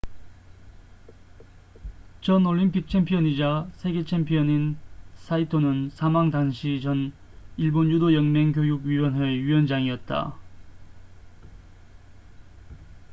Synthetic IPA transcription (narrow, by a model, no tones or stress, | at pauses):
t͡ɕʌnoʎːimpʰik̚t͡ɕʰe̞mpʰiʌɲid͡ʑasʰe̞ɡe̞t͡ɕʰempʰiʌninsʰaitʰonɯnsʰamaŋdanɕʰit͡ɕʌn | iɭbonjudojʌŋmeŋkjojuɡɥiwʌnɦeɥiwʌnd͡ʑaŋiʌt̚t͈a̰